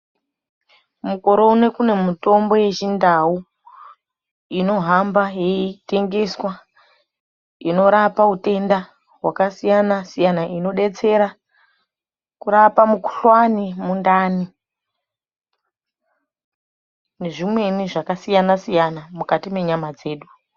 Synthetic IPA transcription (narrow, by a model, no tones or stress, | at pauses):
muko̞ɾo̞une̞kune̞muto̞mbo̞je̞t͡ʃindau | ino̞ɦambajeite̞ŋɡe̞swa | ino̞ɾapaute̞nda | ɦwakasijanasijanaʔino̞ɗe̞t͡se̞ɾa | kuɾapamuku̥ɬwanimundaːni | ne̞ʐimwe̞niʐakasijanasijanamukatime̞ɲamad͡ze̞ːɗu